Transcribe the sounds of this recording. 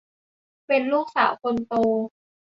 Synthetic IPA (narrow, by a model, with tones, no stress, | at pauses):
pe˧nluː˥˩k̚saː˩˦wkʰo˧nt̪oː˧